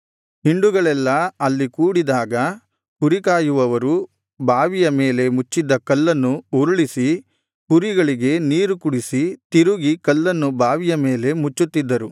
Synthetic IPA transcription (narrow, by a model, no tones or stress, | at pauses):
hiɳɖuɡɐɭɛlːɐɐlːikuːɽid̪aːɡɐ | puɾikaːjuʋɐʋɐɾu | bʱaːʋijɐme̞ːle̞mut͡ʃːid̪ːɐkɐlːɐnːuuɾuɭisi | puɾiɡɐɭiɡe̞niːɾukuɽisit̪iɾuɡikɐlːɐnːubʱaːʋijɐme̞ːle̞mut͡ʃːut̪ːid̪ːɐɾu